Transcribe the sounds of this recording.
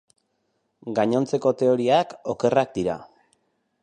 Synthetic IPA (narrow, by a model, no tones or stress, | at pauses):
ɡaɲo̞nt͡se̞ko̞t̪e̞o̞ɾiako̞ke̞rak̚d̪iɾa̰